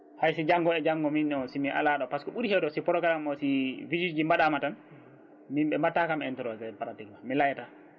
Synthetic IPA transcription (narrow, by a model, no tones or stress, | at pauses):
hajsid͡ʒaŋɡɔɛd͡ʒaŋɡɔminːɔsimiʔa̰laɗɔpaskɔɓuɾihɛwdɔsipɔɾɔkalamɔsivid͡ʒid͡ʒimbaɗamatan | mimɓɛmbatːakamɛntɔɾɔtɛpaɾatikmamilajata